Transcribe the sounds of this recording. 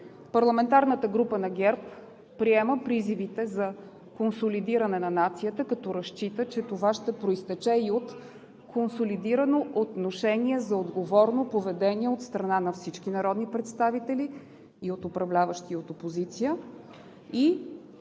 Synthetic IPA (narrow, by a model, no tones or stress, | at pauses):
pɐɾlˠɐmɛnt̪aɾnət̪əɡɾupənɐɡʲɛɾp | pɾiɛməpɾizivit̪ɛzɐ | konsolid̪iɾənɛnɐnat̪sijət̪əkɐt̪ɔɾɐʃt͡ʃit̪ət͡ʃɛt̪ovaʃt̪ɛpɾoist̪ɛt͡ʃɛiot̪ | kʰonsolid̪iɾənoʔot̪noʃɛniɛzɐod̪ɡovɔɾnopovɛd̪ɛniɛot̪st̪ɾɐnanɐfsit͡ʃk̟inɐɾɔd̪nipɾɛt̪st̪avit̪ɛliː | ot̪opɾɐvlʲavəʃt̪iot̪opozit̪siə | i